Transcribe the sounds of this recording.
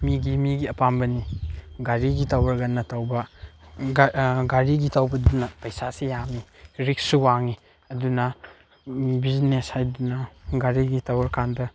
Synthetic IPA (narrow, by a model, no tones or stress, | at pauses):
miɡimiɡiɐpambɐniɡaɾiɡitawɐɾɡɐnːɐtawbɐ | ɡaɾiɡitawbɐdunɐpɐjsasijami | ɾik̚suwaŋi | ɐdunɐ | bizneshajdunɐɡaɾiɡitawɐɾkʰandɐ